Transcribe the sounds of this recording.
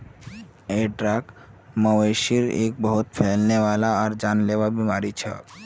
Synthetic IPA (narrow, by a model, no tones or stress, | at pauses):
eʈɾakmɔweʃiɾḛk̚bɔɦut̪fʰelneʋalaːɾd͡ʑanlewabimaɾit͡ɕʰḛ